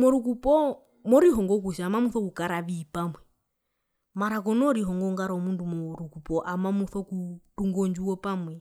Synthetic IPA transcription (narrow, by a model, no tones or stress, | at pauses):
mɔɾukupɔ | mɔɾiɦɔŋɡɔk̬uʃaːmamuθɔkukaɾaβiːpamwɛ | maɾakɔnɔɔɾiɦɔŋɡɔŋɡaɾɔmundumɔɾukupɔʔamamuθɔkutuŋɡɔnd͡ʒuɔpamwɛ